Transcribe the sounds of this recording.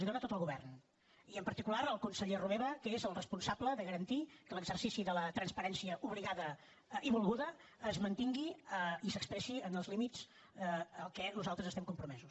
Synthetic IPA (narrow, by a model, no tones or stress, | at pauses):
ziðoɾət̪ot̪əlˠɣuβɛ̰rn | iəmpəɾt̪ikulaɾəlˠkunsəʎeruβeβəkəezəlˠrəspunsabləðəɣəɾənt̪ikələɡzərsisiðələt̪ɾənspəɾɛnsiəʔuβliɣaðə | ʔiβulˠɣuðəː | zmənt̪iŋɡiəisəkspɾɛʃiənəlˠzlimit͡s | əlˠkɛnuzalˠt̪ɾəzəst̪ɛmkumpɾumɛzus